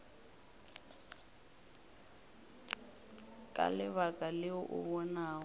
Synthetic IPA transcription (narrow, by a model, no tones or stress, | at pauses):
kʼa̰lɪβakʼalɪʊʔʊβɔnaːɔ